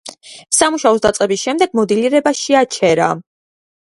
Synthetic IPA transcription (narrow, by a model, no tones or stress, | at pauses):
samuʃaɔsd̪at̪sʼqʼɛbisʃɛmd̪ɛɡ̚mɔd̪iliɾɛbaʃiat͡ʃʰɛɾa̰